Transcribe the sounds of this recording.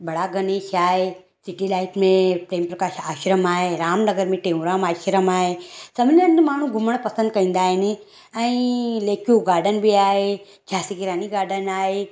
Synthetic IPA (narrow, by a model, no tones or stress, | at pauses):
bɐɽaɡɐneːʃaːe | siʈilaːiʈʰmẽpɾeːmpɾɐkaːʃaːʃɾəmaːeɾaːmnɐɡəɾmẽʈẽːũɾaːmaːʃɾəmaːesɐmlə̃nd̪maːɳ̤ũɡʱuməɳ̃pɐsə̃nd̪̚kɐĩːnd̪aːɦenẽ | əĩleːkjuɡaːɾɖənbʱiaːe | d͡ʒʰʱaːsiɡiɾaːniɡaːɾɖənaːe